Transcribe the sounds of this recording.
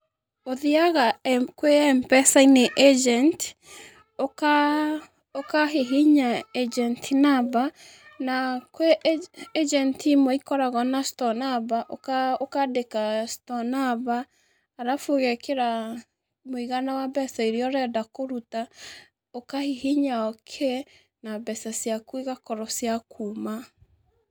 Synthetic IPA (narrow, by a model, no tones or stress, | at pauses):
oðiaɣakweɛmpɛsaineʔed͡ʒɛnt | oka | okaɦeɦiɲaed͡ʒɛntʰinaba | nakweed͡ʒɛntʰimoikɔɾaɣɔnastɔnabaʔokaokadekastɔnaβaː | ɾafoɣekʰeɾa | moiɣanawabɛsaiɾiɔɾɛdakoɾuta | okahiɦiɲaɔkʰe | nabɛsasjakwiɣakɔɾɔsjakʰuma